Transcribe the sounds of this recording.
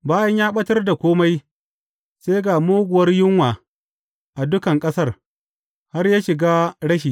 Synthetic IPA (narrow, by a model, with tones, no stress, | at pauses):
baː˦jɐ˦ɲjaː˦ɓɐ˦tɐ˦rda˨kʷoː˦ma˦j | se˦ɡaː˨moː˦ɡʷʊ˨wɐ˦rjɪ˦ŋwaː˨ | ʔa˨dʊ˦kɐ˨ŋkʼɐ˦sɐ˦r | ha˦rjaː˦ʃɪ˨ɡaː˦ɽɐ˦ʃiː˨